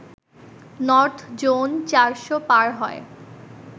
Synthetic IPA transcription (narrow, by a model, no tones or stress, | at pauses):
nɔɾt̪ʰd͡ʑont͡ɕaɾʃopaɾɦɔe